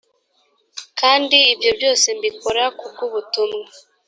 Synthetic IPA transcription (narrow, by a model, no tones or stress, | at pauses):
kaːndiːbjo̞bjo̞ːse̞mbiko̞ɾakub̚kuβutumŋe